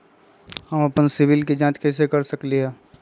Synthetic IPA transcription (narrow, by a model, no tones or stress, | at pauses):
həmɐpənsɪʋɪlkid͡ʒãːt͡ʃkɛːs̬ekəɾsəkliɦɛː